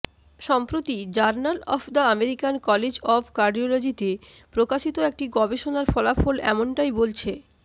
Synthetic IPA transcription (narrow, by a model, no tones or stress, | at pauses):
ʃɔmpɾot̪id͡ʑaɾnalɔ̰pʰd̪aameɾikankɔled͡ʑɔpʰkaɾɖiolod͡ʑit̪e | pɾokaʃit̪oek̚ʈiɡɔbeʃonaɾfɔlafolɛ̰moɳʈajbolt͡ɕʰe